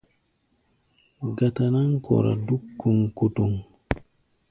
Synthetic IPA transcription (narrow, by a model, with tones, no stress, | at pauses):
ɡa˨ta˨na˦ŋkʰɔ̰˨ɾa̰˨du˦kːu˨ŋku˨tu˨ŋ